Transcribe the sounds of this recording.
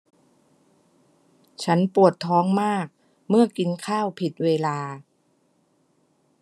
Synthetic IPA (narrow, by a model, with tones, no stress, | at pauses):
t͡ɕʰa˦˥npu˨˩ət̪ʰːɔː˦˥ŋmaː˥˩k̚ | mɯ˥˩ɐki˧nkʰaː˥˩wpʰi˨˩t̪̚weː˧laː˧